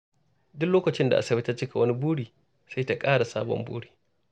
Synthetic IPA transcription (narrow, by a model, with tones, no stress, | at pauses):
dʊ˦kloː˦kɐ˨t͡ʃɪ˦nda˨ʔa̰˨sɐ˨bɪ˦tɐ˦t͡ʃɪ˦kʰa˨wɐ˦ni˦buː˦ɽiː˨ | sa˦jta˦kʼaː˦ɽa˨saː˦bɔ̰˨mbṵː˦ɽiː˨